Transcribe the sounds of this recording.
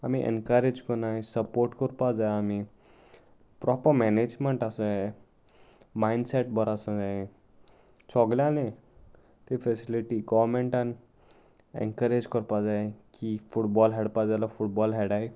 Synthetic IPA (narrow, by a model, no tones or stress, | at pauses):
amiʔḛnkaɾed͡ʒkɔnajsɐpoːɾʈkɔɾpad͡zajami | pɾɔpəɾmened͡ʒmeɳʈasa | majnɖseʈbʱɔɾasɔ̃d͡zae | t͡ʃʰɔɡljãne | t̪ifʰesiliʈiɡɔmeɳʈan | ḛŋkəɾed͡ʒkɔɾpad͡zaekipʰuʈbɔlɦeɽpad͡zalapʰuʈbɔlɦeɽaj